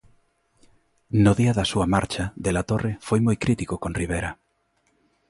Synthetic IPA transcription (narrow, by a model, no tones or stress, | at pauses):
nʊðiɐðɐsuɐmaɾt͡ʃaðelat̪orefojmojkɾit̪ikokõnriβ̞ejɾɐ